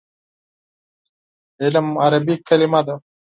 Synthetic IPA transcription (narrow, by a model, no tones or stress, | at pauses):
elɐmɐɾɐbikːɐlimad̪ɐ